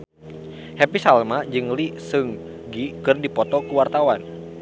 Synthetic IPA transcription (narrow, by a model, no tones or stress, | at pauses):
hɛpisalmad͡ʒɨŋlisɨŋ | ɡikɨrdipɔt̪ɔkuwart̪awan